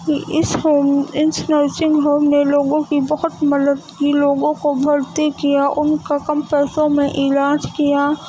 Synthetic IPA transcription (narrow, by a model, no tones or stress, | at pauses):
kiʔɪsoːɪnsnɐɾt͡ʃɪ̃ŋɡɦoːmneloːɡõkibɐɦʊt̪mɐd̪əd̪kiloːɡõkobʱɐɾt̪ikijaʔʊnkakɐmpɛːsõmẽʔɪlaːd͡ʒkijaː